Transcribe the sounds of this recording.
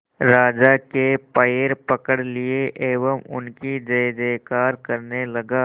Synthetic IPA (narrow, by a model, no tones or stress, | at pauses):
ɾaːd͡ʒakepəjeɾpɐkəɽlieʔeːʋəmʊ̰nkid͡ʒɐd͡ʒeːkaːɾkɐɾnelɐɡaː